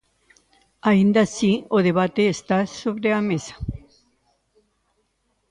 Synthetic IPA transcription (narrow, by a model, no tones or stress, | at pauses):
aind̪asioðe̞βat̪eːst̪asoβɾeamesḁ